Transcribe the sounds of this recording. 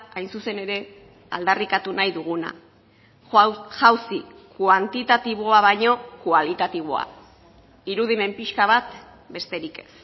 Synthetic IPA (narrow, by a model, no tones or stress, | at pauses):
ajnsuse̞ne̞ɾe̞ | a̰ld̪arikat̪unajðuɣ̞una̰ | ʝawsikuant̪it̪at̪iβ̞o̞aβajɲo̞kualit̪at̪iβ̞o̞̰a̰ | iɾuð̞ime̞mpiʃkaβat̪ | be̞st̪e̞ɾike̞̥s